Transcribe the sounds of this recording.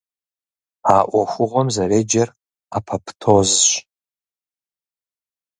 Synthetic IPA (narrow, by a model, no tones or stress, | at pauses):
aːʔʷaxʷʊʁʷamzaɾed͡ʒar | apʰapʰtʰozʃʷ